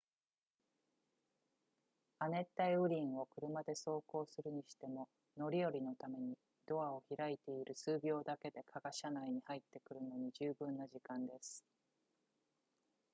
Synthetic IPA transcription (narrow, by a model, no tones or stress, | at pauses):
ane̞t̪ːaiɯ̟ɾʲĩɰ̃o̞kɯ̟ɾɯ̟mad̪e̞so̞ːko̞ːsɨɾɯ̟ɲ̟iɕi̥t̪e̞mo̞ | no̞ɾʲijo̞ɾʲino̞t̪ame̞ɲ̟i | d̪̥o̞ao̞çiɾait̪e̞iɾʔɯ̟sɨːbʲo̞ːd̪ake̞d̪e̞kʰaɡaɕanaiɲ̟ihait̪ːe̞kɯ̟ɾɯ̟no̞ɲ̟iʑɨːbɯ̟̃nːaʑikãnd̪e̞sɨ̥